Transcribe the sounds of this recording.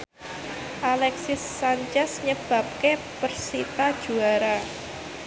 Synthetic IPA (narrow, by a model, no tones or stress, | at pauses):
ʔalɛksɪsːaɲt͡ʃɛsɲəb̥a̤p̚ke | pərsit̪ad̥ʒ̥ṳaɾa